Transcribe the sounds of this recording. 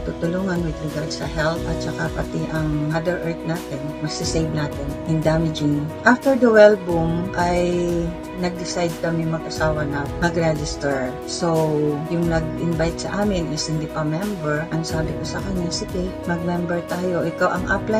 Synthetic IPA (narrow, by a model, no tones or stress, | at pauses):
t̪ut̪ʊluːŋɐnwɪd̪ɪɡad̪sɐ̰ɦɛlt̪ʔɐt̪̚t͡ʃɐkapɐt̪ɪʔɐŋad̪ɛɹʔɛɹt̪̚naːt̪ɪnmɐɡsɪsejvnaːt̪ɪnhɪnd̪aːmɪd͡ʒʊŋʔaft̪ɛɹd̪ɐwɛlbʊmʔaj | nɐɡ̚d̪ɪsajd̪̚kɐmɪmɐɡʔɐsaːwɐnɐmɐɡɹɛd͡ʒɪst̪ɛɹ | sowjʊŋnɐɡ̚ʔɪnbajt̪̚sɐʔaːmɪnʔɪshɪnd̪ipɐmɛmbɛɹʔɐŋsaːbɪkosɐkɐɲːasɪɡ̪ɛmɐɡ̚mɛmbɛɹt̪aːjo̞ʔɪkawʔɐŋʔapla